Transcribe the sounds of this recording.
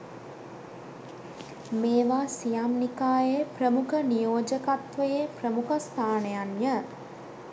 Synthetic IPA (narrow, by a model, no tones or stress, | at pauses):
meːʋaːsijamnikaːjeprəmukənijoːd͡ʒəkat̪ʋəjeprəmukəst̪ʰaːnejanjə